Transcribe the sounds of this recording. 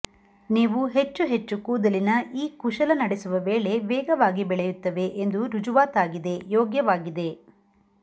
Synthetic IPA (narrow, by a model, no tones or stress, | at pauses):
niːʋuɦe̞t͡ʃːuɦet͡ʃːukuːd̪ɐlinɐʔiːkuʃɐlɐnɐɽesuʋɐʋeːɭe̞ʋɛːɡɐʋaːɡibɛɭɛjut̪ːɐʋe̞ʔend̪uɾud͡ʒuʋaːt̪aːɡid̪e̞joːɡjɐʋaːɡid̪e̞